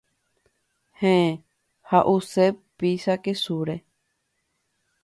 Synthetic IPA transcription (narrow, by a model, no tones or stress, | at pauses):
hẽẽ | haʔusepisakesuɾe